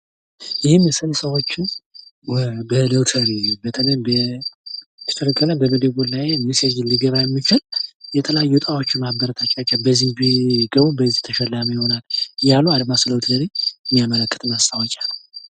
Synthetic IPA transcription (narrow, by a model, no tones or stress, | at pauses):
jɪhɪmːɛsəlsəwo̞t͡ʃːɪnwbələwt̪ʰəɾibət̪ʰələbə | t̪ʰə̥t̪ʰəlkʰʼːələbəməd̪əɡolajenːɨsed͡ʒɪlɨɡəβajɛmːɨt͡ʃɪljɛt̪ʰəlaajːut̪ʼawo̞t͡ʃːɪnmabəɾət̪ʰat͡ʃʼːat͡ʃʼːabəzihbiɡəβubəzːiht̪ʰəʃɛlːamujɪho̞naljalːuad̪masɨləwt̪ʰəɾiɨmːijamələkʼːɨt̪ʼɨnast̪ʰawɔt͡ʃʼal